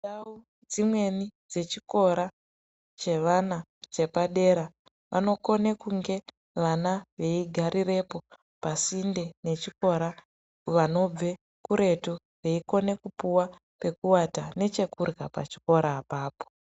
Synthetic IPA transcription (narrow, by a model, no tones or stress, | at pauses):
au | d͡zimwe̞nid͡ze̞t͡ʃiko̞ɾa | t͡ʃe̞ʋana | t͡ʃe̞paɗe̞ːɾa | ʋʔa̰no̞ko̞ne̞kuŋɡe̞ | ʋanaʋe̞iɡʱaɾire̞po̞ | pasinde̞ne̞t͡ʃiko̞ɾa | ʋano̞b͡ve̞ | kuɾe̞to | re̞iko̞ne̞kupuwa | pe̞kuwatane̞t͡ʃe̞kurɡapa̰t͡ʃi̥ko̞ɾaːpaːpo̥